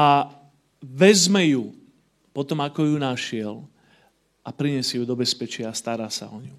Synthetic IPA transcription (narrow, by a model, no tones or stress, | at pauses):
a | ʋɛzmɛju | pɔt̪ɔmakɔjunaʃɪɛl | apɾiɲɛsɪɛjud̪ɔbɛspɛt͡ʃɪaːst̪aɾaːsa̰ɔɲu